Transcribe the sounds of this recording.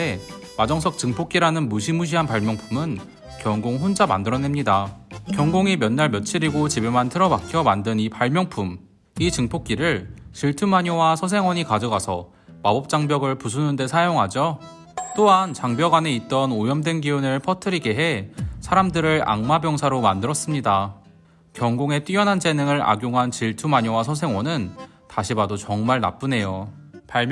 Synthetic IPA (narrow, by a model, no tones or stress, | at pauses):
e | mad͡ʑʌŋs̬ʰʌk̚t͡ɕɯŋpʰok͈iɾanɯnmuɕʰimuɕ̬ʰiɦanpaɭmjʌŋpʰumɯn | kjʌŋɡoŋɦond͡ʑama̰ndɯɾʌne̞mɲidakjʌŋɡoŋimjʌnːaɭmjʌt͡ɕʰiɾiɡot͡ɕibemantʰɯɾʌbakʰjʌmandɯnipaɭmjʌŋpʰum | it͡ɕɯŋpʰok͈iɾɯɭɕʰiɭtʰɯmaɲowasʰʌs̬ʰe̞ŋwʌɲikad͡ʑʌɡasʰʌ̰ | mabʌp̚t͡ɕ͈aŋbjʌɡɯɭpus̬ʰunɯnde̞sʰajoŋɦad͡ʑo | t͈oɦant͡ɕaŋbjʌɡane̞it̚t͈ʌnojʌmdwe̞nɡiunɯɭpʰʌtʰɯɾiɡe̞ɦe̞sʰaɾamdɯɾɯɾa̰ŋmabjʌŋsʰaɾomandɯɾʌs͈ɯmɲida | kjʌŋɡoŋe̞t͈ɥijʌnɦand͡ʑe̞nɯŋɯɾa̰ɡjoŋɦant͡ɕiɭtʰumaɲowasʰʌs̬ʰe̞ŋwʌnɯn | taɕʰibadot͡ɕʌŋmaɭna̰p͈une̞jopaɭm